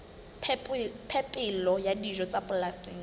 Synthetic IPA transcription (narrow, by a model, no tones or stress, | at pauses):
pʰɛpʼɪlɔjadiʒɔt͡sʼabʊlaseːŋ̩